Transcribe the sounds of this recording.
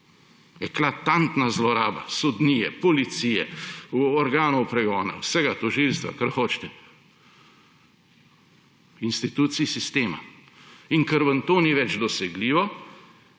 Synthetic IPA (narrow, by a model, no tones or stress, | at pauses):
ɛklat̪ant̪nazlɔɾaːba̰sɔd̪niːjɛpɔlit̪sijɛ | ɔɾɡaːnɔwpɾɛɡɔːna̰wsɛɡat̪ɔʒilst̪ʋa̰kaɾxoːt͡ʃt̪ɛ | inst̪it̪uːt̪siːsist̪eːma̰ | iŋkəɾʋənt̪oːniʋɛd͡ʒd̪ɔsɛɡliːʋɔ